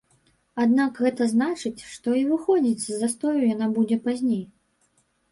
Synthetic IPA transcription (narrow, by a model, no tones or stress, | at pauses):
ad̪nakɣɛt̪ɐznat͡ʂɨt͡sʲʂt̪ɔivɨxɔd͡zʲit͡sʲzːast̪ɔjujanabud͡zʲɛpazʲnʲej